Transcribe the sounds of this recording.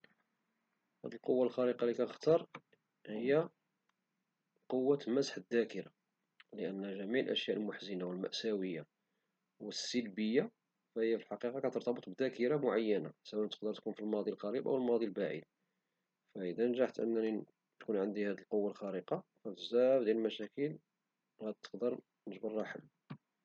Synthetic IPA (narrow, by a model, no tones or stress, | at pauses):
hæ̰d̪əlqowːalxɑɾəqɑlikæt̪əxt̪ɑɾˤ | həjːæ | qowːamæzħəd̪ːækəɾa | ləʔənːæʒæmiʕlʔə̰ʃjæʔəlmʊħzənawəlmæ̰ʔsæwəjːa | wəsːəlbəjːa | fæhəjːæfilħɑqiqɑkæt̪əɾt̪ɑbət̪ˤbəd̪ækəɾɑmʊʕajːənasəwæʔnt̪ə̥qd̪əɾˤt̪kunfilmɑd̪ˤilqɑɾibʔæ̰wəlmɑd̪ˤilbaʕḭd̪̚ | fæʔəd̪ænʒaħt̪ʔə̰nːæni | t̪kunʕənd̪ihæd̪əlqowːalxæɾəqɑfæt̪əzæhbd̪jælmæʃækəl | ɣæt̪ːə̥qd̪əɾˤ | nəʒbərˤːɑħə̰lː